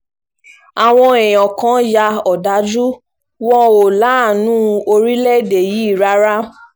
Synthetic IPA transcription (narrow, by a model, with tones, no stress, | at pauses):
a˨w̃ɔ̃˧ɛ̃˨j̃ɔ̃˨kã˨˦ja˧ɔ˨da˨˦d͡ʒu˦ | wɔ̃˦o˨la˨˦˨nũ˦o˧ɾi˦lɛ˦˨de˨ji˨˦i˦˨ɾa˦ɾa˦